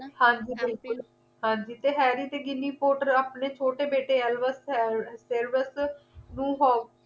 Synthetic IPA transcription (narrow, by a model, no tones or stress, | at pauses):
hãːɲd͡ʒiːbɪlkʊl | hãːɲd͡ʒiːt̪eːɦɛːɾiːt̪eːɡɪniːpoːʈəɾaːpneːt͡ʃʰoːʈeːbeːʈeːɛlʋəsɛseːɾʋəsnũːɦoː